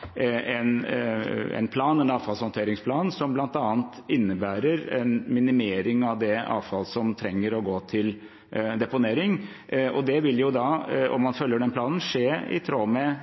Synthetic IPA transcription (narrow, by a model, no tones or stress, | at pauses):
ɛn | ɛ̰npʰlɑːnɛnɑːʋfɑlshɔnt̪ʰeːɾɪŋspʰlɑːnsɔmblɑnt̪ɑːənt̪ɪnːəbæːɾəɾɛnmɪnɪmeːɾɪŋɑʋd̪ɛɑ̰ːʋfɑlsɔmt̪ʰɾɛŋːəɾɔɡoːt̪ʰɪl | d̪ɛpʊneːɾɪŋ | ɔd̪ɛʋɪljʊd̪ɑɔ̰mːɑnfœlːjəɖɛnpʰlɑːnən̩ʂeːɪ̰t̪ʰɾoːmɛ